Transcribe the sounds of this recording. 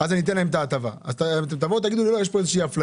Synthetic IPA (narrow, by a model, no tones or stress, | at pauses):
azanit̪enlaemt̪aːt̪ava̰a̰zt̪at̪at̪avot̪̬ːaɡid̪ulilo̞jeʃpo̞ezeʃiiafla